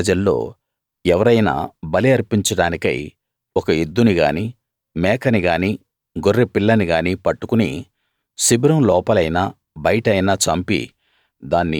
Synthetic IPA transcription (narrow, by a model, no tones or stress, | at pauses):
ɐd͡ʒɐlːo̞̰ː | ɛʋɐɾɐjna̰ːbɐliɐɾpiɲt͡ʃɐɽaːnikɐ̰j | ɔkɐid̪ːuniɡaːni | mɛːkɐniɡaːniː | ɡorːepilːɐniɡaːniːpɐʈːukunḭ | sibiɾɐmlɔːpɐlɐjnaː | bɐjɐʈɐjnat͡ʃɐmpḭ | d̪aːnːi